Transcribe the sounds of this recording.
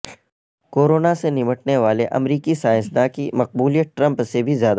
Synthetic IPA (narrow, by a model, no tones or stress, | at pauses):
koːɾoːnasenɪməʈneʋaːleʔɐ̰mɾiːkisaːjɪsd̪akimɐq̚buːlijət̚ʈɾɐ̃mpsebʱizjaːd̪a